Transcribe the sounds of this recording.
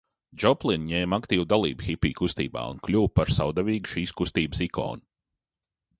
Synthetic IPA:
d͡ʒɔplˠinɲeːmakt̪iːwd̪alˠiːbxʲipʲḭːkust̪ḭːba̰ːṵnklʲuwpaɾsa̰wd̪avʲiːɡuʃiːskust̪iːbəsikʰo̰ːnu

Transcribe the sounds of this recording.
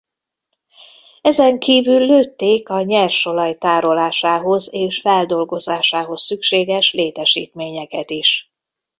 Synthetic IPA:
ɛzɛŋkiːvylːøːt̪ːeːkɒɲɛrʃo̞lɒjt̪aːɾo̞laːʃaːɦo̞zeːʃfɛld̪o̞lɡo̞zaːʃaːɦo̞sːykʃeːɡɛʃleːt̪ɛʃḭːt̪meːɲɛkɛt̪iʃ

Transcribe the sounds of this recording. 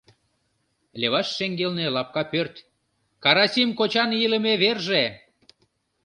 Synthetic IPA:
lʲeβɑʃːeŋɡelnelɑp̚kɑpørt̪ʲ | kɑɾɑsimkot͡ɕɑnjilə̆meβerʒe

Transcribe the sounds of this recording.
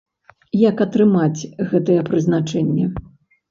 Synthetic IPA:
jakɐt̪ɾɨmat͡sʲɣɛt̪ɨjɛpɾɨzn̪at͡ʂɛnʲːɛ

